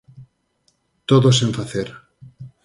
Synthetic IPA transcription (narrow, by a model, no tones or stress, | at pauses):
t̪oðoseɱfaθeɾ